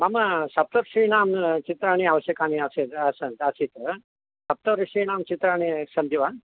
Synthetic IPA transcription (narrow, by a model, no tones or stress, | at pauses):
mamɐsɐp̚t̪ɐɾʃiːnaːmt͡ʃit̪ɾaːɳ̃iaʋɐsjɐkaːniasit̪asɐt̪asit̪ɐ | sɐp̚t̪ɐɾiʃiːnaːmt͡ʃit̪ɾaːɳ̃isɐnd̪ʱiʋa